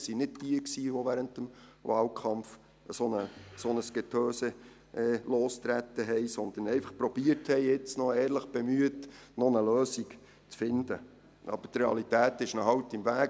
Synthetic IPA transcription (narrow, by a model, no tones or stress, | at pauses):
sinɪt̚tiəksiːʋɔʋæɾəntəmʋɑːlkʰɑmf | əsɔnəsonəsɡ̥ɛtʰøːsə | ʔɛːloːst̪ɾæt̪ːəɦɛjsɔnd̪ənɛɪfɑχpɾɔb̥iəɾthɛɪɪt͡snɔɛːɾləχb̥ɛmyətnɔnəløːsiɡ | t͡sfɪndə | ɑ̰b̥ətreɑ̰lit̪æːt̪ɪʃnɔɦɑwt̪ɪmʋæː